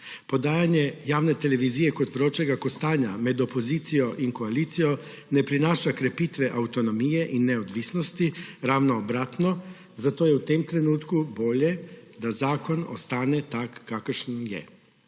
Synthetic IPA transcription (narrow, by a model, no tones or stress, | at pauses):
pod̪aːjaɲjɛjaːwnet̪eleʋizijɛkot̪ʋɾoːt͡ʃɛɡakost̪aːɲamed̪opoziːt̪sijoʔinkoaliːt̪sijɔ | nepɾinaːʃakɾepiːt̪ʋɛʔawt̪onomijɛʔinːeod̪ʋisnost̪iɾaːʋnoːbɾaːt̪no | zat̪oːjɛut̪emt̪ɾenuːt̪kuboːʎɛd̪azaːkono̰st̪aːnɛt̪akːakəɾʃnjɛ̰